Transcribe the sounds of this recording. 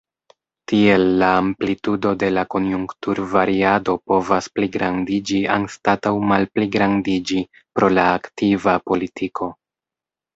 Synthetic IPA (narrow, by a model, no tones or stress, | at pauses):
tie̞lːaːmplitudo̞de̞lako̞njuŋktuɾvaɾiado̞po̞vaspliɡɾandid͡ʒia̰nstatawmalpliɡɾandid͡ʒi | pɾo̞laːktivapo̞litʰikʰo̞